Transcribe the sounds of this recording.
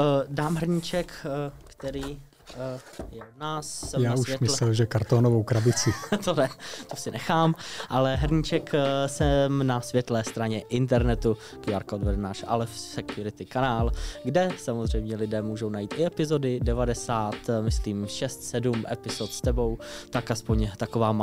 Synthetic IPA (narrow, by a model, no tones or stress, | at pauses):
daːmɦr̩ɲɪt͡ʃɛkkt̪ɛɾiː | jɛnaːssɛjmaːuʃjɛmɪsɛlʒɛkaɾt̪oːnovowkɾabɪt͡sɪt̪onɛt̪osɪnɛxaːmʔalɛɦrɲɪt͡ʃɛksɛmnasvjɛt̪lɛːst̪ɾaɲɛʔɪnt̪̬ɛɾnɛt̪u | kjaɾkaodvɛdɛnaːʃʔa̰lɛfsɛkjuɾɪt̪ɪkanaːlɡdɛsamozr̝ɛjmɲɛlɪdɛːmuːʒo̞wnajiːt̪ɪɛpɪzo̞dɪdɛvadɛsaːt̪mɪsliːmʃɛst̪sɛdumʔɛ̰pɪzot̪st̪ɛbo̞wt̪akaspoɲt̪akovaːm